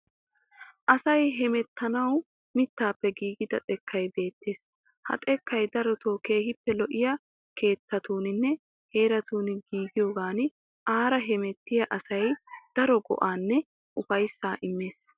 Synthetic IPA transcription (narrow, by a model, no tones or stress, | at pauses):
ʔɐsɐjɦɛmɛt̪ːɐnɐw | mɪt̪ːaːpːɛɡiːɡɪd̪ɐt̪ʼɛkʰːɐjbe̞ːt̪ːe̞ːs | hɐ̰t̪ʼɛkːɐjd̪ɐɾɔt̪ʰo̞ːkeːhɪpːɛlɔʔɪjɐ | kʰe̞ːt̪ːɐt̪uːnɪnːɛ | he̞ːɾɐt̪uːnɪɡiːɡɪjoːɡaːnɪ | ʔaːɾɐɦɛmɛt̪ːɪjɐʔɐsɐjd̪̥ɐɾɔɡɔ̰ʔaːnːɛ | ʔʊfɐjsːaːʔɪmːeːs